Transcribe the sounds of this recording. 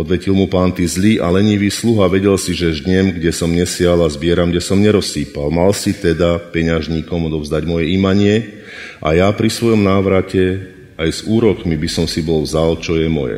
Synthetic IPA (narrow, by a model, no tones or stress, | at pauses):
ɔd̪ʋɛcilmupaːnt̪iːzliːʔalɛɲiʋiːsluɦaʋɛɟɛlsiʒɛʒd̪ɲɛmɡɟɛsɔmɲɛsɪalazbɪɛɾamɡɟɛsɔmɲɛɾɔsiːpalmalsit̪ɛd̪apɛɲaʒɲiːkɔmɔd̪ɔʋvzd̪aɟmɔjɛimaɲɪɛ | ʔa̰japɾisʋɔjɔmnaːʋɾacɛ | ajzuːɾɔkmibisɔmsibɔlvzalt͡ʃɔjɛmɔjɛ̰